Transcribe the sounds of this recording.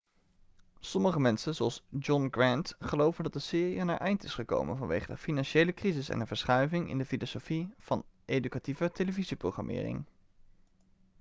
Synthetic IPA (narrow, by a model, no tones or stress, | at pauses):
sɔməχəmɛnsənzoɑlˠsd͡ʒɔnɡrɛntχəlowvəndɑtdəsɪːriəna̰ɹʔɛjntɪsχəko̰wmə̰nvɑnʋḛjχədə̰finɑnʃejləkrizɪsɛ̰ndəvəɹsχœɥvɪŋɪ̰ndəfilosofiv̥ɑnʔejdykativəteləviziprowχrɑ̰mʔɪ̰ːrɪ̰ŋ